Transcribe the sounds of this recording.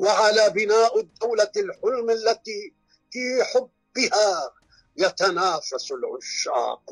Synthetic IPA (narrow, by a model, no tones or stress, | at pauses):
waʕalaːbɪnaːʔʊd̪ːawlalħʊlmalːat̪iː | fiːħʊbːɪhaː | jat̪anaːfasʊlʕʊʃːa̰ːq